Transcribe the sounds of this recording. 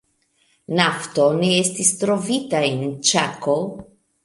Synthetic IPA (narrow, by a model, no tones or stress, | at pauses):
naftone̞estistɾo̞vitaent͡ʃako